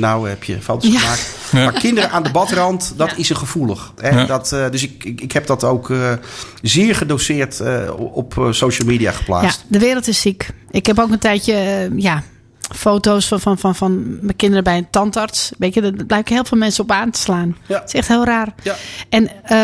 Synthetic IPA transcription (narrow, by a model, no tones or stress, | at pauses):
nawɛpjə̰fowtosamaːk | makɪndərəʔaːndəbɔtrɔntdɔtɪsəxəvulˠəxɛdɔtdøsɪkɪkhɛp̚dɔtowk | zɪːɹχədoːsɪːɹtɔpsowʃəlˠmiːdia̰xə̥pla̰ːjastdəʋɪːɾəl̩ˠtɪsːikɪkhɛp̬owkəntɛjtjəja | foːtowsfɔnfɔnfɔnfɔnmɛkɪndərɾəbɛjəntɔntɔrtsʋeːtjədɔb̥lɛjɪkhɪːlˠfɪːlˠmɛnsəɔpaːntə̥slaːnɪ̥sɛxthɪːlˠraːrʔɛnə